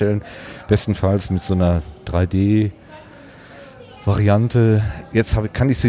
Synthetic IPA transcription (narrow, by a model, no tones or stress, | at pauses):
ɛlənb̥ɛstn̩falsmɪtz̥oːnɐd̥ʁaɪdeː | v̥aʁiantʰəjɛt͡sthaːbkʰanɪçz̥iː